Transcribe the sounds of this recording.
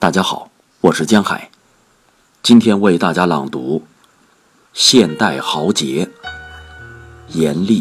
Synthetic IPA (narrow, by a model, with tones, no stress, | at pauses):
t̪a˥˩t͡ɕja˥xɑ˨˩˦ʊ | wɔ˨˩ʂɻ̩˥˩t͡ɕjɛ˥nxa̰˨˩˦ɪ | t͡ɕi˥nt̪ʰjɛ˥nwe˥˧ɪt̪a˥˩t͡ɕja˥lɑ̰˨˩ŋt̪u˧˥ | ɕjɛ˥˧nt̪a˥˩ɪxɑ˧˥ʊt͡ɕjɛ˧˥ | jɛ˧˥nli˥˩